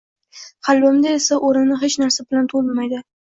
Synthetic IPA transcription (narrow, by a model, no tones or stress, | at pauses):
qʰɑlˠbamd̪aesaʔoɾɪnːɪɦet͡ʃnaɾsabɪlant̪ʰolmajd̪ɪ